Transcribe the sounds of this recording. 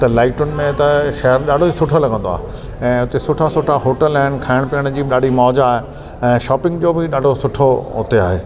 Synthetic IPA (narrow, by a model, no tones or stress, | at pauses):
t̪ɐlaːɪʈʊnmẽt̪ɐʃɐɦəɾɗaːɖʱoisʊʈʰolɐɡʱə̃nd̪oa̰ːɦe | ɛ̃ːʊt̪esʊʈʰasʊʈʰaɦoːʈəlaːɪnɪ̆kʰaːɪɽ̃piəɽ̃d͡ʑiːɗaːɖ̤ʱimɔːd͡ʑaːɦe | ɛ̃ːʃɔːpɪ̃ŋɡd͡ʑoːbɪɗaːɖʱosʊʈʰoɦʊt̪ea̰ːɦeː